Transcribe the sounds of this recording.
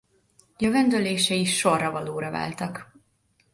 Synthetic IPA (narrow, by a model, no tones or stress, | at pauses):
jøvɛnd̪øleːʃɛiʃːo̞rːɒvɒloːɾɒva̰ːlt̪ɒk